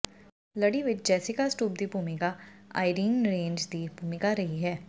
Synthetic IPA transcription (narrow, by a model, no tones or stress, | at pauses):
lɐɽiʋɪt͡ʃd͡ʒɛːsɪkasʈuːb̚d̪ibʱuːmɪkaa̰ːɪɾiːnɾẽːɲd͡ʒd̪ibʱuːmɪkaɾɐɦiɦɛː